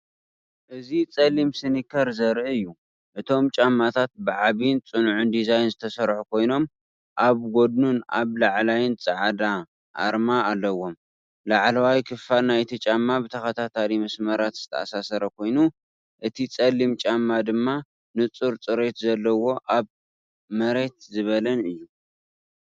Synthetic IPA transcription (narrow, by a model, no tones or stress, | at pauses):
ʔɨzit͡sʼɐlimsɨnikʰɐɾzɐɾʔɨɨjːu | ʔɨt̪ʰo̞mt͡ʃʼamːat̪ʰat̪̚bɨʕaβint͡sʼɨnʕund̪izajnzɨt̪ʰɐsɐɾħukʰo̞jno̞m | ʔaβɡo̞d̪̚nunʔa̰βlaʕlajɪnt͡sʼɨʕad̪a | ʔa̰ɾmaalːɐwo̞m | laʕlawajkʰɨfalnajt̪ʰit͡ʃʼamːabɨt̪ʰɐxɐt̪ʰat̪ʰalimɐsmɐɾat̪z̥ɨt̪ʰɐasasɐɾɐkʰo̞jnu | ʔɨt̪ʰit͡sʼɐlːimt͡ʃʼamːad̪ɨmːa | nɨt͡sʼuɾt͡sʼɨɾe̞t̪zɐlːɐwo̞ʔaβ | mɐɾe̞t̪zɨβɐlɐnɨjːu